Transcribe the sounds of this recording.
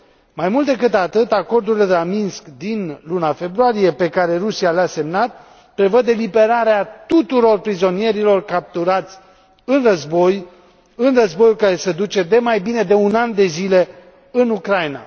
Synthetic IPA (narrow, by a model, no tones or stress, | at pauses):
majmult̪̚d̪ekɨt̪at̪ɨt̪ako̞rd̪uɾileelaminskd̪inlunafe̞bɾuaɾije̞pe̞kaɾe̞rusialease̞mnat̪̚ | pɾe̞vəd̪elibe̞ɾaɾeat̪ut̪uɾo̞rpɾizo̞nije̞ɾilo̞rkap̚t̪uɾat̪sʲ | ɨnrəzbo̞j | ɨnrəzbo̞jukaɾe̞sed̪ut͡ʃe̞d̪e̞majbine̞d̪e̞unand̪e̞zile̞ | ɨnukɾajna̰